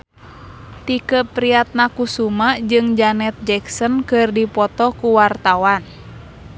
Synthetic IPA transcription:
t̪ikəpɾiat̪̚nakusumad͡ʒɨŋd͡ʒanɛt̪̚d͡ʒɛksɔnkɨrdipɔt̪ɔkuwart̪awan

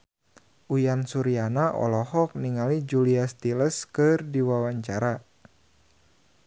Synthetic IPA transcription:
ʔujansuɾianaʔɔ̰lɔhɔk̚niŋalid͡ʒuliast̪iləskɨrdiwawaɲt͡ʃaɾa

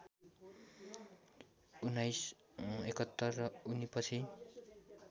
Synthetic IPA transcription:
unːajs | ekʌt̪ːʌrːʌunipʌt͡sʰi

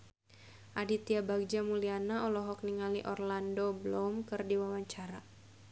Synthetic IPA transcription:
ʔadit̪iabaɡ̚d͡ʒamulianaɔlɔɦɔk̚niŋaliʔɔrlandoblɔmkɨrdiwawaɲt͡ʃaɾa

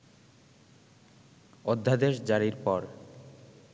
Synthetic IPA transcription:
od̪ʱːad̪eʃd͡ʑaɽiɾpɔɾ

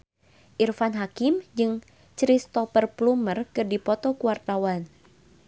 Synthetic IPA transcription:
ʔirfanɦakimd͡ʒɨŋ | t͡ʃɾist̪ɔfərplumərkɨrdipɔt̪ɔkuwart̪awan

